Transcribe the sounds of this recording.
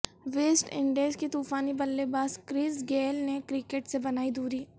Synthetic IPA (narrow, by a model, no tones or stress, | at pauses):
ʋeːsʈɪ̃ɳɖeskit̪uːfaːnibɐlːebaːskɾɪːsɡeːlnekɾɪkeːʈsebɐnaːid̪uːɾiː